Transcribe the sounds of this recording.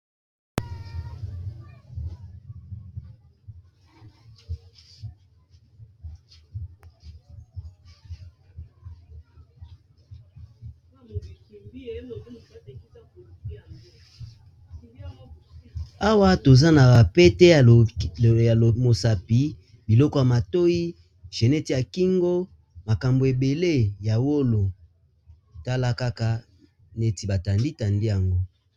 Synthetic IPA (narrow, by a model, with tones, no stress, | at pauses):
a˦wa˦to˨za˦na˨ba˨pɛ˦tɛ˦˨ | mo˨sa˨pi˨ | bi˨lɔ˦kɔ˨ja˨ma˨to˦ji˦ | ʒ̥e˨nɛ˦ti˨ja˨ki˦ŋɡo˦ | ma˨ka˨mbo˨e˨be˨le˦˨ja˨wo˦lo˨ | ta˦la˦ka˦ka˦ | ne˦ti˨ba˨ta˨ndi˦ta˨ndi˦ja˨ŋɡo˦